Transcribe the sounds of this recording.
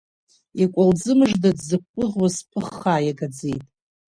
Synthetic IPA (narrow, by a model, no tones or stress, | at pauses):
ikʷʼald͡zɨmɨʐdadzɨp̚ʷːʼʊʁwaspʰɨχːaːjaɡad͡zḛjtʼ